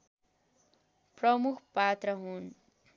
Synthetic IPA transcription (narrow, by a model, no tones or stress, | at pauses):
prʌmukʰpat̪rʌɦun